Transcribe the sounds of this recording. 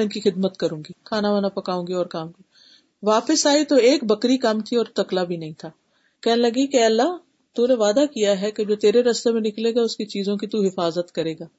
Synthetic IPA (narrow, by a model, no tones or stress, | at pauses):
ɪnkixɪd̪mət̪kɐɾũːŋɡikʰaːnaʋanapɐkaːũːŋɡiɔːɾkaːm̃ɡi | ʋaːpəsaːit̪oeːkbɐkɾikamt̪ʰiɔːɾt̪ɐklabʱinɐɦĩt̪ʰaː | kɛɦnelɐɡikeɐlːaɦ | t̪uneʋaːd̪akijaɦɛked͡ʒoːt̪eːɾeɾɐst̪emẽnɪkleːɡaʊskit͡ʃiːzõk̬it̪uɦɪfaːzət̪kɐɾeːɡaː